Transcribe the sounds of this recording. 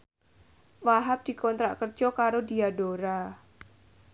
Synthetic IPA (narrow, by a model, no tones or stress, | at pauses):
waɦap̚d̪̥i̤kɔnt̪ɾa̰ʔkərd͡ʒɔkaɾod̪iaɖoɾa